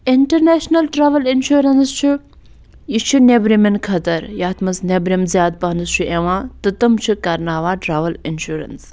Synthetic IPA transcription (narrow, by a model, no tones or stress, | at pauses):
iɳʈɐɾneːʃnɐlʈɾaːʋɐlinʃuːɾɐnst͡ʃʰi | jit͡ʃʰinebɾiminkʰɐt̪ɐɾjaːt̪ʰmɐsnebɾimzjaːd̪̚pɐnɨst͡ʃʰuʔeʋãːt̪ɨt̪ɨmt͡ʃʰikɐɾnaːʋaːɖɾaːʋɐlinʃuːɾɐ̰ns